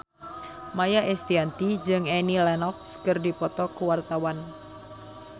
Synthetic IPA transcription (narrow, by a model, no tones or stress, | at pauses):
majaʔɛst̪iant̪id͡ʒɨŋɛnilɛnɔk̚skɨrdipɔt̪ɔkuwart̪awan